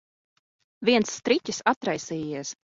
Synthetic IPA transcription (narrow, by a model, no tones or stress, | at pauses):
vʲiɛnsːt̪ɾitʲisat̪ɾajsiːiɛs